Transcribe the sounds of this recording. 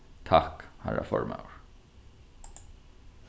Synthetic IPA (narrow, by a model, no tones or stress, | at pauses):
t̪ʰakhaɹʔafɔɹma̰wɹ